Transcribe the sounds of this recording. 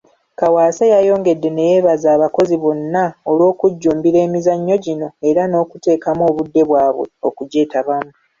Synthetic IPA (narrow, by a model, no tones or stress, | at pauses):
kawaːsajajo̞ːŋɡe̞dːe̞ne̞je̞ːβazaːβako̞ziβo̞nːaolwo̞ːkuɟːuːmbiɾe̞ːmizaɲːo̞ɟino̞e̞ɾano̞ːkute̞ːkamo̞ːβudːe̞βwaːβwe̞̰o̞̰kuɟe̞ːtaβamu